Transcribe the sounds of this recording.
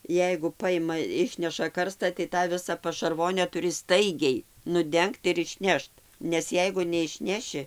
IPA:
ˈjɛɪɡʊ pɐˈjɪmɐ ˈɪʃʲnʲɛʃɐ ˈkɐrstɐ tɐɪ tɑː ˈʋʲɪsɐ pɐʃɐrˈʋoːnʲɛ tʊˈrʲɪ ˈstɐɪɡʲɛɪ nʊˈdʲɛŋkt ɪr ɪʃʲˈnʲɛʃt nʲɛs ˈjɛɪɡʊ nʲɛɪʃʲˈnʲæːʃʲɪ

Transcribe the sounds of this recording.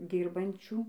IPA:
ˈdʲiːrbɐnʲt͡ʃʲuː

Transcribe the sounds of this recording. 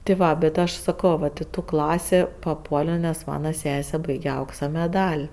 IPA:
tʲɪ ˈʋɐ bʲɛt ˈɐʃ sɐˈkoː ʋɐt ɪ ˈtuː ˈklˠɑːsʲeː pɐˈpuɔlʲoː nʲɛs ˈmɑːnɐ ˈsʲæːsʲɛ ˈbɐɪɡʲɛ ˈɐʊksɐ mʲɛˈdɐlʲ

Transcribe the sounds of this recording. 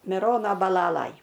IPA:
mʲɪˈroːnoː bɐˈlˠɑːlˠɐj

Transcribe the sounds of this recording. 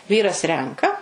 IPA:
ˈʋʲiːrɐs ˈrʲɛŋkɐ

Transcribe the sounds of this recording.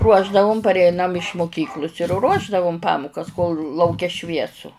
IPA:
ˈruɔʒdɐʋʊm pɐrʲˈɛɪnɐm ɪʃ mʊˈkʲiːklˠʊs ɪr ˈruɔʒdɐʋʊm ˈpɑːmʊkɐs koːlˠ lˠɐʊˈkʲɛ ˈʃʲʋʲiɛsʊ

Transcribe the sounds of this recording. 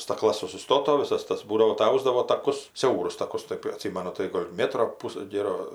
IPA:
stɐkˈlˠɐs sʊsʲɪˈstoːtoː ʋʲɪˈsɐs ˈtɐs ˈbuːdɐʋoː tɐɪ ˈɐʊs dɐʋoː tɐˈkʊs ˈsʲɛʊrʊs tɐˈkʊs ˈtɜp ɐˈtʲsʲiːmɐnʊ tɐɪ ˈɡoːlʲ ˈmʲeːtroː ˈpʊs ˈɡʲeːroː

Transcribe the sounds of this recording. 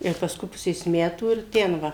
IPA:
ɪr pɐsˈkʊɪ ˈpʊsʲeːs ˈmʲæːtuː ɪr ˈtʲɛn ˈʋɐ

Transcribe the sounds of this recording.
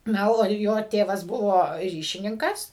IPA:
ˈnɐ oː ˈjoː ˈtʲeːʋɐs ˈbʊʋoː ˈrʲiːʃʲɪnʲɪŋkɐs

